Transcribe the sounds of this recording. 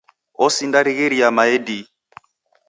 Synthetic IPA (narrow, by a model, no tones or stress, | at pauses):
ɔsindaɾiɣeɾiamaɛdi